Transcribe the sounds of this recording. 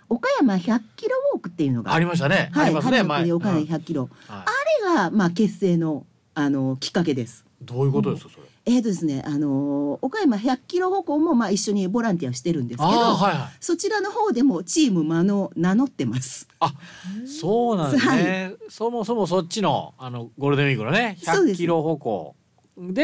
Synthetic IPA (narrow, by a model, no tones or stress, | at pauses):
o̞kajamaçakʲːiɾo̞βo̞ːkɯ̟t̪ːe̞iɯ̟no̞̰ɡa̰aɾʲimaɕ̬t̪anehaimahaeaɯd̪eo̞kajamaçakɯ̟kʲːiɾo̞aaɾe̞ɡamaːke̞sːe̞ːno̞ | ano̞kʲi̥kːake̞d̪e̞sɨ̥d̪oːjɯ̟ko̞t̪od̪eskḁsoɾe | e̞ːt̪ːo̞d̪esɨne̞ʔano̞ːkaemaçakɯ̥kʲiɾo̞ho̞ko̞ːmo̞maːiɕːo̞ɲ̟ibo̞ɾãnt̪̬iaoɕi̥t̪e̞ɾɯ̟̃nd̪e̞sɨ̥ked̪oɦaiɦaso̞t͡ɕiɾano̞ho̞ːd̪e̞mo̞t͡ɕiːmɯ̟mano̞nano̞t̪ːe̞masɨ̥asoːnãhaisomosomos̬ot͡ɕːino̞̰anoɡo̞ɾɯd̪ẽmiɡɯnone̞çsao̞ːd̪e̞kiɾoɦoko̰ː | d̪e